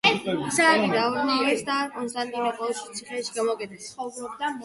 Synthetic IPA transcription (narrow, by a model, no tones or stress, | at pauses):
ɛisaɾiɾaɔɾnaɛsd̪aːɾkʼɔnst̪ʼant̪ʼinapʼɔlʃit̪sʰiχɛʃiɡamɔkʼɛt̪ʰɛsɔvɾɔbd̪a